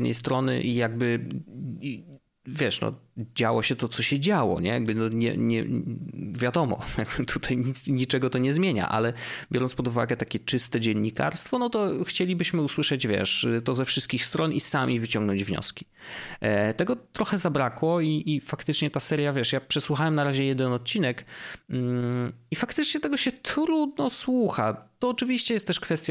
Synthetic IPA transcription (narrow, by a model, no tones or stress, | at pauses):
d̪nɛ̰jst̪ɾɔnɘ̰ʔijaɡbɘ | vʲjɛʂnɔ̰d͡ʑawɔɕɛt̪ɔt̪sɔɕɛd͡ʑawɔ̰ɲɛ̰jaɡ̚bɘnɔɲɛ̰ɲɛ̰ | vʲjad̪ɔmɔ̰jaɡbɘt̪ʰut̪ʰajɲit̪sɲit͡ʂɛɡɔt̪ɔɲɛzmʲjeɲa̰ʔa̰lɛbʲjɔɾɔnspɔd̪uvaɡɛt̪akʲɛt͡ʂɘst̪ɛd͡ʑɛɲːika̰ɾst̪fɔnɔt̪ɔxt͡ɕelʲibɘɕmɘuswɘʂɛd͡ʑvʲjɛ̰ʂt̪ɔzɛfʂɨst̪kʲixst̪ɾɔnisamʲʔʲivɘt͡ɕɔ̃ŋɡnɔɲd͡ʑvɲɔ̰skʲi̥ | t̪ɛɡɔt̪ɾɔxɛzabɾakwɔiʔifakt̪ɘt͡ʂɲɛt̪asɛɾʲjavʲjɛʂjapʂɛswuxawɛmnaɾaʑɛjɛd̪ɛnɔt̪̚t͡ɕinɛk̩ | ifakt̪ɘt͡ʂɲɛt̪ɛɡɔɕɛt̪ɾud̪̚nɔswuxa̰t̪ɔːt͡ʂɘvʲiɕt͡ɕɛjɛst̪ːɛʂkfɛst̪ja